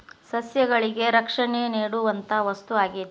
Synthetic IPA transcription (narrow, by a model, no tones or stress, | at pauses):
sɐsjɐɡɐɭiɡe̞ɾɐkʂɐɳeniːɽuʋɐnt̪ʰɐʋɐst̪uaːɡit̪